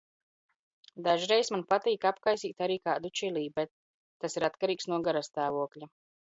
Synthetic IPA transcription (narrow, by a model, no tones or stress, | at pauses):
d̪aʒɾɛjsmanpat̪iːkapkajsiːt̪aɾiːkaːd̪ut͡ʃiliːbɛt̪ː | asiɾat̪kaɾiːksnuɔɡaɾast̪aːvuɔklʲa